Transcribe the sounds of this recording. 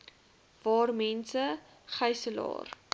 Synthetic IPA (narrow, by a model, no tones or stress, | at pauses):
vɑːrmɛnsə | χəjsəlɑ̰ːr